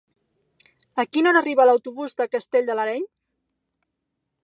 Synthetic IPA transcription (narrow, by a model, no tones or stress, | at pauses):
əkinonəriβəːləwt̪uβuzd̪əkəst̪eʎʲd̪ələɾɛɲ